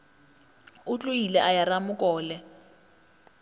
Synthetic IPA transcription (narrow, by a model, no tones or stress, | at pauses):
ʊt͡ɬʼʊilɛʔajaramʊkʼɔːlɛ